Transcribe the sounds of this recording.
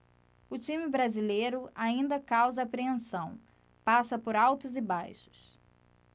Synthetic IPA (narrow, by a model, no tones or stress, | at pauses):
ʊt͡ʃĩmɪbɾazilejɾʊaĩnd̪ɐkawzɐːpɾeẽsɐ̃w̃ | pasɐpoɾawt̪ʊzɪbajʃʊ̥s